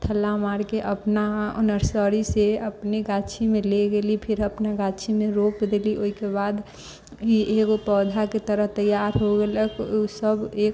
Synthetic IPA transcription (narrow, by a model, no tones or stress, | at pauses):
t̪ʰəlːamaɾkeʔəpnao̰nəɾsəɾiseəpniɡat͡ʃʰimẽleɡelipʰɪɾəpnaɡat͡ʃʰimẽɾok̚d̪eliʔoːikebad̪ | ieɡopɔːd̪ʱaket̪əɾəɦt̪əjaɾɦoɡeləkusəbek